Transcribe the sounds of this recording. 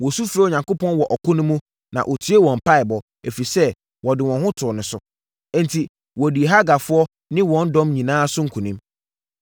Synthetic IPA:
wɔ˨su˦fɾa˦˨ɲã˨ŋko˦pʰɔ̃˦nwɔ˨ʔɔ˨kʰʊ˦nʊ̃˦mũ˦ | nã̰˨ʔo˨tʰɥe˦wɔ̃˨m˨pa˦ɪ˨bɔ˨ | e˨fi˨sɛ˦ | wɔ˨dɪ˨wɔ̃˨nɦʊ̃˦tʰʊ˨nʊ̃˨sʊ̃˨˦ | n̩˦tʰi˨ | wɔ˨di˨e˨ɦa˦ɡa˨fʊ˦ɔ˦ | nɪ̃˦wɔ̃˨˦n̩˦dɔ̃˦mɲĩ˨nãː˦sʊ˦ŋ̩˨kʰũ˨nĩ˦m

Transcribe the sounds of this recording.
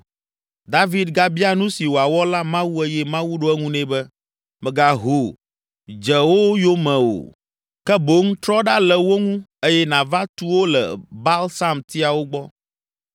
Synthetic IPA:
d̪a˦vi˦d̪ɡa˦bi˦a˦nũ˦si˨wo˨a˨wɔ˦la˦mã˦wu˦e˦jɛ˦mã˦wu˦ɖo˦ɛ˦ŋũ˦nɛ̃˨bɛ˦ | mɛ̃˨ɡa˨ɦo˨ | d͡ʒɛ˨wo˦jo˦mɛ̃˨o̰˨ | kɛ˦bo˦ŋ̩˦t̪ɾɔ˦ɖa˦lɛ˨wo˦ŋũ˦e˦jɛ˦nã˨va˦t̪u˦wo˦lɛ̰˨ba˦lsa˦mt̪i˦a˨wo˦ɡ͡bɔ˦

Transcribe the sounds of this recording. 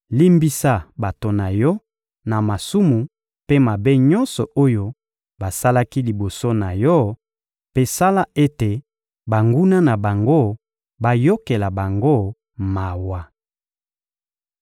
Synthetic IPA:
li˦mbi˦sa˦ba˨to˨na˨jɔ˦ | na˨ma˨su˦mu˨ | pe˦ma˨be˦ɲɔ˦nsɔ˨ʔo˦jo˦ | ba˨sa˦la˦ki˦li˨bo˨so˦na˨jɔ˦ | pe˦sa˦la˦ʔe˦te˨ | ba˨ŋɡu˦na˦na˨ba˨ŋɡo˦˨ | ba˨jo˦ke˨la˨ba˨ŋɡo˦ | ma˨wa˨

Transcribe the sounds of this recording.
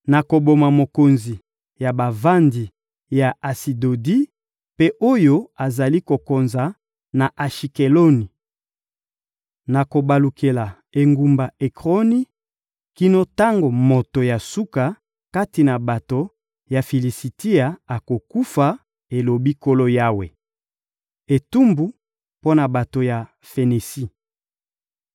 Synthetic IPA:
na˨ko˨bo˨ma˨mo˨ko˨nzi˨ | ja˨ba˨va˦ndi˨ | ja˨ʔa˨si˨do˨di˦ | pe˦ʔo˦jo˦a˨za˨li˦ko˨ko˨nza˨ | na˨ʔa˨ʃi˨ke˨lo˦ni˨ | na˨ko˨ba˨lu˨kʰe˨la˨ | e˨ŋɡu˨mba˨e˨kʁo˦ni˦ | ki˦no˦ta˦ŋɡo˨mo˨to˨ja˨su˦ka˨ | ka˦ti˨na˨ba˨to˨ | ja˨fi˨li˨si˨ti˦a˨a˨ko˨ku˦fa˨ | e˨lo˨bi˦ko˦lo˦ja˦wḛ˨ | e˨tu˦mbu˨ | po˦na˨ba˨to˨ja˨ | fe˨ne˨si˦

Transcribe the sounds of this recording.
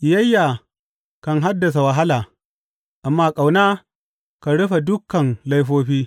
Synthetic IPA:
ʔɪ˨jɐ˦jːa˨ | ka˨ŋɦa˦dːɐ˨s̬a˨wɐ˨ɦa˦laː˨ | ʔa˨mːaː˦kʼa˨wnaː˦ | ka˨ɽʊ˦ɸa˨dʊ˦kːɐ˨nla˦jɸoː˦ɸiː˦

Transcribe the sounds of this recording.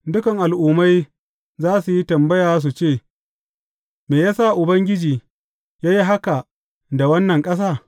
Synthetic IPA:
dʊ˦kɐ˨ŋʔa˨lʔuː˨ma˦j | zaː˦su˨ji˦tɐ˨mbɐ˦jaː˨s̬u˨t͡ʃeː˦˨ | meː˨jaː˦sa˦˨ʔʊ˨bɐ˦ŋɡʲɪ˦d͡ʒiː˨ | jaː˦ji˦ɦa˦ka˨ | da˨wɐ˦nːɐ˨ŋkʼɐ˦s̬aː˦˨

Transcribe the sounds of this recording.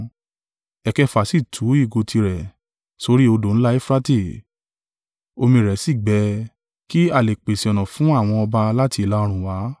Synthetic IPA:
ɛ˨kɛ˦fa˨si˦˨tʰu˨˦i˦˨ɡo˧tʰi˧ɾɛ˨ | so˧˦ɾi˦o˧do˨n̩˦la˦e˦fɾa˦te˦˨ | o˧mĩ˧˨ɾɛ˨˦si˦˨ɡ͡bɛ˨˧ | ki˦a˦˨le˨k͡pe˨si˨ɔ˨nɔ̃˨fũ˨˦a˦˨w̃ɔ̃˧ɔ˧ba˧la˦ti˧˨la˨˦˧ɾ̃ũ˨wa˨˦

